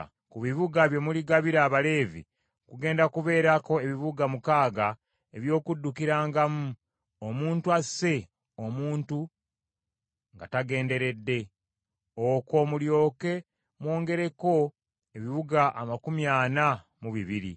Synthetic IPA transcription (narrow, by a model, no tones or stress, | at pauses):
kuβiβuɡaβje̞muliɡaβiɾaːβale̞ːvḭ | kuɡe̞ːndakuβe̞ːɾako̞e̞βiβuɡamukaːɡa | e̞βjo̞ːkudːukiɾaːŋɡamu | omuːntuase̞ | omuːntu | ŋɡataɡe̞ːnde̞ɾe̞dːe̞ | oko̞muljo̞ːke̞ | mwo̞ːŋɡe̞ɾe̞ko̞ | e̞βiβuɡaʔamakumjaːna | muβiβiɾḭ